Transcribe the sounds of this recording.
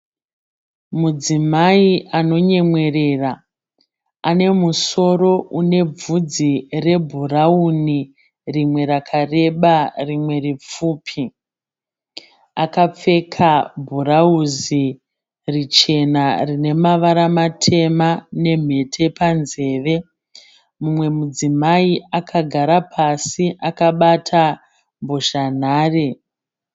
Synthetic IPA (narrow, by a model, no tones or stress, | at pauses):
mud͡zimaiʔano̞ɲe̞mwe̞re̞ːra | ane̞muso̞ɾo̞une̞b͡vud͡zire̞bʱurauni | rimwe̞ɾakʰare̞ɓarimwe̞ɾip͡fuːpʰi | akap͡fe̞kʰabʱurauzi | rit͡ʃe̞narine̞maʋaɾamatʰe̞mane̞m̤e̞tʰe̞panze̞ːʋe̞ | mumwe̞mud͡zimaiakʰaɡʱaɾapʰasiʔakaɓatʰa | mboʃan̤aːre